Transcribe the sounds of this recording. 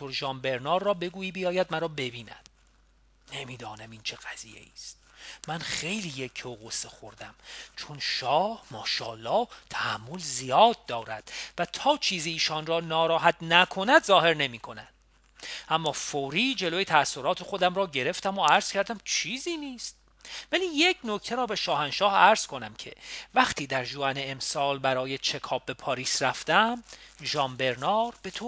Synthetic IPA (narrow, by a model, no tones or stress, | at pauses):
oɾʒɒːmbe̞ɾnɒːɾːɒːbe̞ɡuːiːbijɒːjæd̪̚mæɾɒːbe̞biːnæ̰d̪̥̚ | ne̞miːd̪ɒːnæmiːnt͡ʃʰe̞ɣ̥æz̥ḭːje̞̰iːst̪mænχe̞jliːjecʰooɣosːexo̞ɾd̪æmt͡ʃʰo̞nʃɒːhmɒːʃɒ̰ːlːɒːt̪ʰæhæmːo̞lzijɒːd̪̚ːɒːɾæ̰d̪̥væt̪ʰɒːt͡ʃʰiːziːʃɒnrɒːnɒːɾɒːɦæt̪ʰnækʰo̞næd̪zɒːhe̞ɾne̞miːkʰo̞nænd | ʔæmːɒːfoːɾiːd͡ʒe̞loːjet̪ʰæːsːo̞ɾɒːt̪ʰe̞xo̞d̪æmɾɒːɟe̞ɾe̞ft̪æmoæɾz̥cʰæɾd̪æmt͡ʃʰiːziːniːst̪̚ | væliːjecʰno̞cʰt̪ʰeɾɒːbe̞ʃɒːhænʃɒːhæɾz̥kʰo̞næmcʰe̞̰væχt̪iːd̪æɾʒoæneemsɒːlbæɾɒːje̞t͡ʃʰe̞kʰɒːb̚ːe̞pʰɒːɾiːsræft̪æmʒɒːmbe̞ɾnɒːɾb̥e̞t̪ʰo